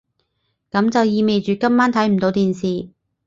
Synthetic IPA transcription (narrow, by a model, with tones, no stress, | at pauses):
kɐ˨˧˥mt͡sɐ˨wjiː˨˧me˨jt͡ʃyː˨kɐ˥mːaː˥nt̪ʰɐ˨˥jm̩˨˩t̪o˨˥wt̪iː˨nsiː˨